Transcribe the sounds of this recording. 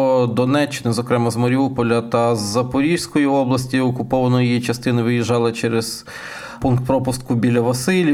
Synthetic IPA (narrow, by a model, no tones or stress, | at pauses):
d̪ɔnɛt͡ʃːɪnɪzɔkɾɛmɐzmɐɾʲiupɔlʲɐt̪ɐzːɐpʊɾʲiwsʲkɔjiɔblˠɐsʲtʲiɔkʊpɔʋɐnɔjijit͡ʃɐst̪ɪnɪʋɪjɪʒɑlˠɪt͡ʃɛɾez̥ | punkt̪̚pɾɔpʊst̪̚kʊbʲilʲɐʋɐsɪlʲi